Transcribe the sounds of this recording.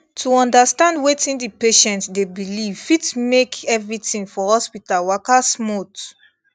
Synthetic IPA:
tʰuɔ̃ndastãndwetĩndipeʃɛ̃ntsdebilivitmekʰɛvɹitĩŋfɔhɔspitalwakasmot

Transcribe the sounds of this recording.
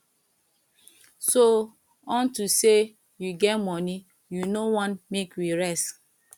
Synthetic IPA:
so | ɔntuse | juɡɛtmɔni | junowɔ̃nmekjiɾɛs

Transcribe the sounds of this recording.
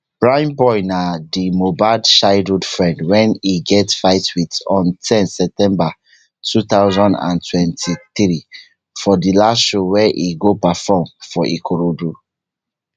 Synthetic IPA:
b̥ɹãj̃nbɔɪnadimobadʃaɪɹudfɹɛ̃ndwɛ̃niɡɛtfaɪtwitɔ̃ntʰɛ̃nsɛp̚tɛ̃mba | tʰuθaʊzɔ̃ndã̰ntʰwɛ̃ntʰiθɹi | fɔdilasʃowɛʔiɡopafɔmfɔʔḭkʰoɹodu

